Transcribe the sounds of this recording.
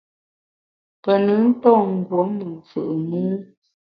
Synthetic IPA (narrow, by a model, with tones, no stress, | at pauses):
pə˨nə˨˦n̩˦tɔ˦˨ŋ̩˨ɡwo˨˦mə˨fɯ̰˨ʔmɨ˦